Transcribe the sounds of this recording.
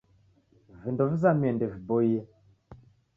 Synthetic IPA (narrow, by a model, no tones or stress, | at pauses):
vəndɔvzamendəvboje